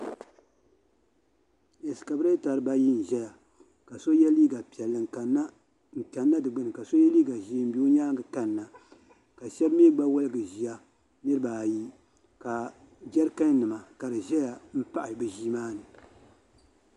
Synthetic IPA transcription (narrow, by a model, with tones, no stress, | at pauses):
jɛ˨sɨ̥˨ka˨bɨ˦ɾa˦ta˨ɾɨ˦ba˦ji˦n̩˨ʒɛ˦ja˨ | ka˨so˦jɛ˦liː˦ɡa˨pi˨ɛ˨lːɨ˨ŋ˨ka˨na˦ | n̩˨ta˨nːa˦dɨ˨ɡ͡bɨ˦nɨ˨ka˨so˦jɛ˦liː˦ɡa˨ʒiː˦m̩˦bi˦o˦ɲaː˦ŋɡɨ˨ka˦nː˨a˨ | ka˨ʃɛ˦bmeː˦ɡ͡ba˦wʊ˦lɨ˦ɡɨ˨ʒi˨ja˦ | nɨ˦ɾɨ˦baː˨ji˦ | ka˨ | d͡ʒɛ˦ɾka˦n˦nɨ˨ma˨ka˨dɨ˨ʒɛ˦ja˨m̩˦pa˦ʔɪ˨bɨ˨ʒi˦maː˦nɨ˨